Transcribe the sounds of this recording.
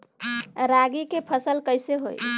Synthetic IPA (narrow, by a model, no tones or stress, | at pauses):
ɾaɡikepʰəsəlkəjseɦo̰j